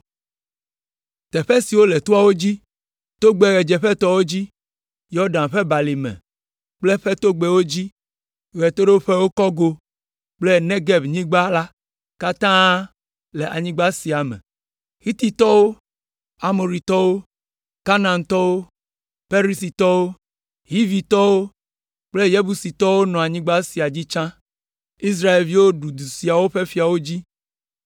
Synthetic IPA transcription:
t̪ɛ˨ɸɛ˦si˨wo˦le˨t̪u˦a˦wo˦d͡ʑi˦ | t̪o˦ɡ͡be˨ɣɛ˨d͡ʒɛ˨ɸɛ˦t̪ɔ˦wo˦d͡ʑi˦ | jɔ˦ɖã˨nɸɛ˦ba˨li˨mɛ̰̃˨ | k͡plɛ˦ɸɛ˦t̪o˦ɡ͡bɛ˨wo˦d͡ʑi˦ | ɣɛ˨t̪o˦ɖe˦wo˦ɸe˦wo˦kɔ˦ɡo˦ | k͡ple˦ne˦ɡɛ˦bɲĩ˦ɡ͡ba˦la˦ | ka˦t̪ã˦ | le˨ʔa˨ɲĩ˦ɡ͡ba˦si˨a˨mɛ̰˨ | hi˦t̪i˦t̪ɔ˦wo˦ | a˦mo˨ɾi˨t̪ɔ˦wo˦ | ka˦nã˨nt̪ɔ˦wo˦ | pe˦ɾi˦si˨t̪ɔ˦wo˦ | ɦi˦vi˨t̪ɔ˦wo˦ | k͡ple˦je˦bu˨si˨t̪ɔ˦wo˦nɔ̃˨a˨ɲĩ˦ɡ͡ba˦si˨a˨d͡ʑi˦t͡ʃã˦ | i˦s̬ɾa˦e˨lvi˦wo˦ɖu˨d̪u˨si˨a˨wo˦ɸe˦fi˨a˨wo˦d͡ʑi˦

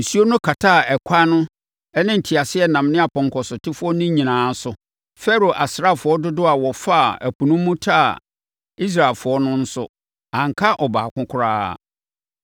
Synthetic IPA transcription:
n̩˨su˦o˦nʊ̃˦kʰa˨tʰa˦˨ɛ˨kʷʰa˦nʊ̃˦ | ɛ˦nɪ̃˦n̩˨tʰi˨a˨sɪ˦ɛ˦nã˨m˦nɪ̃˦a˨pʰɔ̃˨ŋ˨kʰɔ˨sʊ˨tʰɪ˦fʊ˦ɔ˦nʊ̃˦ɲĩ˨nãː˨˦sʊ˨ | fɛ˦ɾo˨ʔa˨sɾa˦˨fʊ˨˦ɔ˦dʊ˦dʊ˦a˨wɔ˨fa˦˨æ˨pu˨nʊ̃˦m˦mũ˦tʰa̰˦˨ | i˦s̬ɾa˨lfʊ˨ɔ˦nʊ̃˦n̩˦sʊ̰˦ | ã˨ŋ˨kʰa˦ʔɔ˨ba̰ː˨kʰʊ̃˦kʰʊ˦ɾa̰ː˦˨

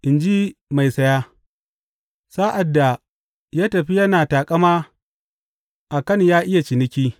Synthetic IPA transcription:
ʔɪ˨nd͡ʒi˦ma˨jsɐ˦jaː˦ | saː˦ʔa˨dːa˨ | jaː˦tɐ˨ɸi˦jɐ˦naː˨taː˨kʼɐ˦maː˦ | ʔa˨kɐ˦njaː˦ʔɪ˦ja˨t͡ʃɪ˨nɪ˦kʲiː˦

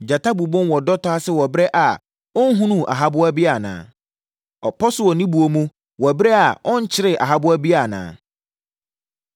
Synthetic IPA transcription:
d͡ʑa˨tʰa˦bu˨bʊ̃˦nwɔ˨dɔ˦tʰɔ˦a˦sɪ˦wɔ˨bɾɛ˦ʔa˨ | ɔ˦n˦ɦũ˦nũ˦ʔa̰˨ɦa˦bʊ˦a˦bi˦a˨nã̰ː˨ | ɔ˨pʰɔ˦sʊ˦wɔ˨nĩ˦bu˨o˨mũ˦ | wɔ˨bɾɛ˦a˨ɔ̃˦ɲ̩˦t͡ɕʰɪ˦ɾɪ˨ʔa̰˨ɦa˦bʊ˦æ˦bi˦a˨nã̰ː˨

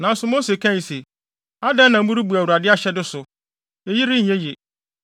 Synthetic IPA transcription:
nã˨˦n̩˦sʊ˦moː˦se˨kʰã˦ɲi˨se˨ | a˦dɛ̃˦nã˨m̩˦bu˦ɾu˦bu˨æ˨wu˨ɾa˨dɪ˦a˦ɕɛ˦dɪ˦sʊ˨ | e˨ji˦ɾɪ˦ɲ̩˨ɲɛ̃˦je˨

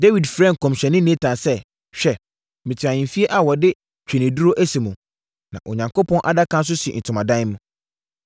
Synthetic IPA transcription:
de˦wi˨dfɾɛ̃˦˨ŋ˨kʰɔ̃˨mɕᶣɛ˨nɪ̃˦nẽ˦tʰã˨sɛ˦ | ɕᶣɛ˦ | mɪ̃˨tʰɪ˨ã˨ɲɪ̃˨mfi˦e˦ʔa˨wɔ˨dɪ˦ | t͡ɕᶣe˨nĩ˨du˦ɾo˦ʔæ˦si˨mũ˨ | nã̰˨ʔo˨ɲã˨ŋko˦pʰɔ̃˦nʔa̰˨da˦kʰã˦ns̬ʊ˦sɪ˨ɛ˨n̩˨tʰʊ̃˨mã˨dã˦n˦mʊ̃˨˦

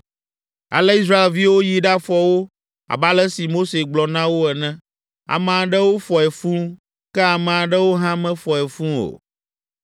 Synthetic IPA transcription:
a̰˨lɛ˦i˦s̬ɾa˦e˨lvi˦wo˦ji˨ɖa˦fɔ˨wo˦ | a̰˨ba˦lɛ˦si˨mo˦se˨ɡ͡blɔ˨nã˦wo˦ɛ˨nɛ̃˦ | a̰˨mɛ̃˨a˨ɖɛ˦wo˦fɔ˨ɛ˨fũ˦ | kɛ˦a˨mɛ̃˨a˨ɖɛ˦wo˦ɦã˦mɛ̃˦fɔ˨ɛ˨fũ˦o̰˨

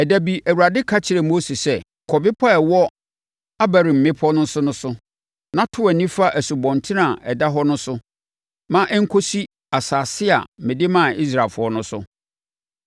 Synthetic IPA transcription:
ɛ˨dæ˨bi˨ʔæ˨wu˨ɾa˨dɪ˦kʰa˦t͡ɕʰɪ˨ɾɛ˨mo˦si˨sɛ˦ | kʰɔ˨bɪ˦pʰa˦ɛ˨wɔ˦ | a˦bæ˨ɾĩ˨m̩˨mɪ̃˦pʰɔ˦nʊ̃˦sʊ˦nʊ̃˦sʊ˦ | nã˦tʰʊ˦ɛ˨nĩ˦fa˦ʔæ˨su˨bɔ̃˨ntʰɪ˦nã˨ʔɛ˨da˦ɦɔ˦nʊ̃˦sʊ˦ | mã˦ʔɛ˦ŋ̩˦kʰo˦si˦ | a˨saː˨sɪ˦a̰˨mɪ̃˨dɪ˦mã˦˨i˦s̬ɾa˨fʊ˨˦ɔ˦nʊ̃˦sʊ˦

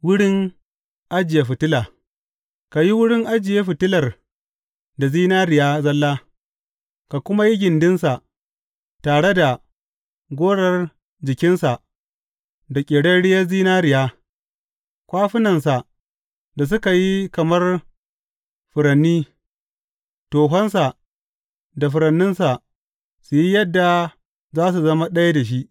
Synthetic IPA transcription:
wʊ˦ɽɪ˦ŋ | ʔa˦d͡ʒɪ˨je˨ɸɪ˨tɪ˦laː˨ | ka˨ji˦wʊ˦ɽɪ˦ŋʔa˦d͡ʒɪ˨je˦ɸɪ˨tɪ˦lɐ˨r | da˨ziː˦naː˦ɾɪ˨jaː˦zɐ˦lːaː˦ | ka˨kʷʊ˦ma˦ji˦ɡʲɪ˨ndɪ˦nsa˨ʔ | taː˨ɽe˦da˨ | ɡʷoː˦ɽɐ˨r | d͡ʒɪ˨kʲɪ˦nsa˨ʔ | da˨kʲʼɪː˨ɽɐ˦nɽɪ˦jɐ˦ziː˦naː˦ɾɪ˨jaː˦ | kʷaː˦ɸɪ˦nɐ˨nsa˨ʔ | da˨s̬ʊ˦ka˨ji˦kɐ˨mɐ˦r | ɸʊ˨ɾɐ˨nːiː˦ | toː˨ɦɐ˦nsa˨ | da˨ɸʊ˨ɾɐ˨nːɪ˦nsa˨ | su˨ji˦jɐ˦dːa˨ | zaː˦s̬u˨zɐ˦ma˦ɗɐ˦ja˦da˨ʃ̬i˦ʔ

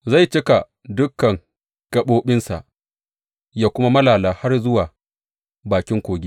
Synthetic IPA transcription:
za˦˨jt͡ʃɪ˦ka˨ | dʊ˦kːɐ˨ŋ | kɐ˦˨ɓoː˦ɓɪ˦nsa̰˨ʔ | jaː˦kʷʊ˦ma˦mɐ˦laː˨laː˨ha˦rzʊ˦waː˨ | baː˨kʲɪ˦ŋkʷoː˨ɡʲi˦

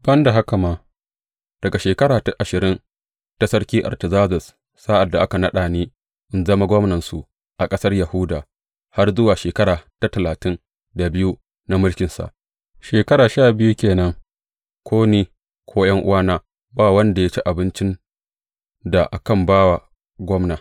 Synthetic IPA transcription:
b̥ɐ˦nda˨ɦa˦ka˨maː˦ | d̥ɐ˨ɡa˨ʃeː˨kɐ˦ɽaː˨ta˦ʔa˨ʃɪ˨ɾɪ˦n | ta˦sɐ˦rkʲiː˦ʔa̰˨rtɐ˨zaː˦zʊ˨sː | a˦ʔa˨dːa˨ʔa˦ka˨nɐ˦ɗaː˨neː˦ | ʔɪ˦nzɐ˦ma˦ɡʷɔ˦mnɐ˨nsu˨ʔ | ʔa˨kʼɐ˦sɐ˦rja˨hʊ˦daː˨ | ha˦rzʊ˦waː˨ʃeː˨kɐ˦ɾaː˨ta˦tɐ˨laː˨tɪ˦n | da˨bɪ˦ju˦ | na˦mʊ˦lkʲɪ˨nsa̰˨ʔ | ʃeː˨kɐ˦ɾaː˨ʃaː˦˨bɪ˦ju˦kʲeː˨nɐ˦ŋ | kʰʷoː˦niː˦ | kʷʰoː˦jɐ˦ŋʔʊ̰˦waː˦naː˦ | baː˦˨wɐ˦nda˨ja˦t͡ʃi˦ʔa˨bɪ˦nt͡ʃɪ˦n | da˨ʔa˨kɐ˦mbaː˦wa˨ | ɡʷɔ˦mna˨

